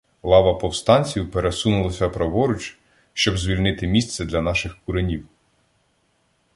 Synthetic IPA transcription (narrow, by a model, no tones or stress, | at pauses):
lˠɑʋɐpɔwst̪ɑnʲt͡sʲiwpeɾesunʊlˠɐsʲɐpɾɔʋɔɾʊt͡ʃ | ʃt͡ʃɔbzʲʋʲilʲnɪt̪ɪmʲist̪sɛd̪lʲɐnɑʃɪxkʊɾenʲiw